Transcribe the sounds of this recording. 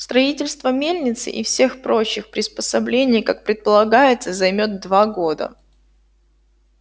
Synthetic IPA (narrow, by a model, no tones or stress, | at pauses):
st̪ɾɐitʲɪlʲst̪vəmʲelʲnʲɪt̪sɨ̰ʔɪfsʲe̞xpɾo̞t͡ɕːɪxpɾʲɪspəsɐblʲenʲɪjkak̚pɾʲɪt̪̚pəlˠɐɡajɪt̪səzɐjmʲot̪̚d̪vaɡo̞d̪ə̰